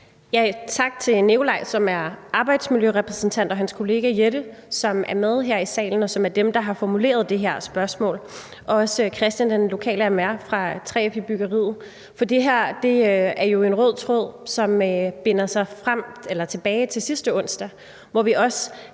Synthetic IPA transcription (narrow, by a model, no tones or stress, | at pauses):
jæt͡sʰɑ̈ɡ̥̚t͡sʰe̝ne̝ʊlɑ̈ɪsɒ̽mæɐɑ̈ːb̥ɑ̈ɪd̥smiljøʁɛpʰʁɛsn̩t͡sʰæn̰d̥ɒɦænskʰo̝le̝ːɡ̥æjeɾə | sɒ̽mæɐmeð̞ˠɦeɐ̰isɛ̰ːln̩ɒ̽sɒ̽mæɐd̥emd̥ɑ̈ɦɑ̈fɒmule̝̰ːɐð̞ˠd̥e̝ɦeɐ̰sb̥ɶɐsmɔ̰ːl | ʔɒ̽ɒ̽skʰʁɛsd̥jænd̥enlo̝kʰɛ̰ːləæmæɐfʁɑ̈t͡sʰʁɛ̰fʰib̥yɡ̥ɐʁḭːð̩ˠ | fɒ̽d̥e̝ɦæɐ̰d̥e̝æɐjo̝e̝nʁɔð̰ˠt͡sʰʁɔð̰ˠsɒ̽møb̥e̝nɐsɑ̈ɪfʁam̰elɐt͡sʰe̝b̥ɛːɪt͡sʰe̝lsisd̥əɔ̽n̰sd̥æ | ʋɒʋiʔɒ̽sə